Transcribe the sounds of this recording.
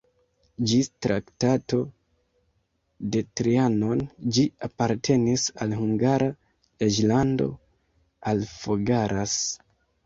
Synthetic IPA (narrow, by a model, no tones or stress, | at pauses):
d͡ʒitɾa̰ktato̞ | de̞tɾiano̞nd͡ʒiapaɾtʰe̞nisalhuŋɡaɾa | ed͡ʒlando̞̰ | alfoɡaɾʔas